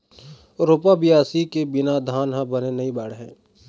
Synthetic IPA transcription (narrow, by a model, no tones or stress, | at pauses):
ɾoːpabɪjaːsikebɪnad̪ʱaːnɦãbənenɐĩbaːɽɦɛ̰̃ː